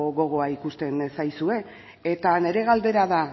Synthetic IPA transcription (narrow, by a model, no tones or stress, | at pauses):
ɣo̞ɣ̞o̞aikust̪e̞nsajsue̞ | et̪ane̞ɾe̞ɣald̪e̞ɾaða